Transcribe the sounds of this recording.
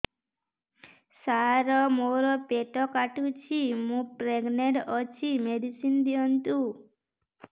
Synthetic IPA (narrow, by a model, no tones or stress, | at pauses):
saɾɔmoɾɔpeʈɔkaʈut͡ʃʰimũpɾeɡneɖɔt͡ʃʰimeɖisind̪iɔnt̪u